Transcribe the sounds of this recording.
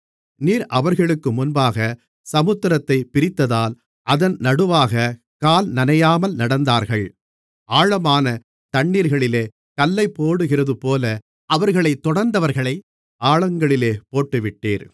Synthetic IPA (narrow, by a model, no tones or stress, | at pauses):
niːɾʔɐʋɐɾɣɐɭɯkːɯmʊnbaːɣɐ | sɐmɯt̪ːɪɾɐt̪ːɐɪpːɪɾɪt̪ːɐðaːl | ʔɐðɐnnɐɽɯʋaːɣɐ | kaːlnɐnɐjaːmɐlnɐɽɐnd̪aːɾɣɐɭ | ʔaːɻɐmaːnɐ | t̪ɐɳːiːɾɣɐɭɪleː | kɐlːɐɪpːoːɽɯɣɪrɐðɯpoːlɐ | ɐʋɐɾɣɐɭɐɪt̪ːɔɽɐɾnd̪ɐʋɐɾɣɐɭɐɪ | aːɭɐŋɡɐɭɪleːpoːʈːɯʋɪʈːeːɾ